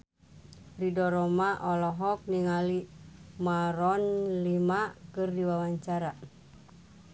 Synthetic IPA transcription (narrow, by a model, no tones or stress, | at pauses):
ridɔɾɔmaʔɔlɔɦɔk̚niŋalimaɾɔnlimakɨrdiwawaɲt͡ʃaɾa